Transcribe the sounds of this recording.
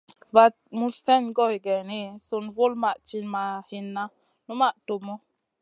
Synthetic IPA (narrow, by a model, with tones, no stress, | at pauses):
va˦t̚mu˦sfɛ˦nɡɔ˦hi˨ɡɛ˨ni˦˨so˨nvo˦lma˨ʔt͡ʃi˦nma˨hi˧nːa˦ | nu˦ma˦˨ʔto˨mo˦